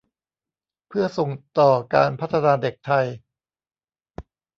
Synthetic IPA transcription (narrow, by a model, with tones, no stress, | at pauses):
pʰɯ˥˩ɐso˨˩ŋt̪ɔː˨˩ka̰ː˧npʰa˦˥t̪ʰːa˧naː˧de˨˩k̚t̪ʰa˧j